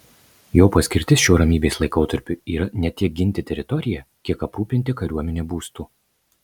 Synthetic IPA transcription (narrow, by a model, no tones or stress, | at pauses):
joːpɐsʲkʲɪɾʲt̪ʲɪsʃʲoːɾɐmʲiːbʲeːslˠɐɪkoːt̪ɐɾʲpʲʊiːɾɐnʲɛt̪ʲiɛk̚ɡʲɪnʲt̪ʲɪt̪ʲɛɾʲɪt̪ɔɾʲɪjɛkʲiɛkɐpɾuːpʲɪnʲt̪ʲɪkɐɾʲuɔmʲɛnʲeːbuːst̪uː